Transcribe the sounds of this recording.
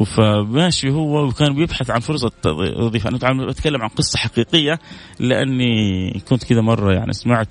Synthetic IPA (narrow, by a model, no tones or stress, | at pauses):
famaːʃihʊwːawkaːnbjɪbħaθʕanfʊɾˤs̬ˤɑ̰ðˤiːfaʔa̰nʔt̪ʕabat̪kalːamʕanqɨsˤːɑħaqiːqɪjːa | lɪʔa̰nːikʊnt̪kɪd̪amɑrˤːɑja̰ʕnḭsmaʕt̪